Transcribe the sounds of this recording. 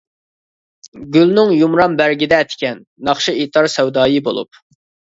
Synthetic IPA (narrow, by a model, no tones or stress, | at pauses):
ɡʲylnɪŋjumɾɑmbæɾɡʲid̪ɛt̪ʰɪ̥kʲɛnːɑχʃiit̪ʰɑɾsɛwd̪ɑːjibo̰lˠṵp̚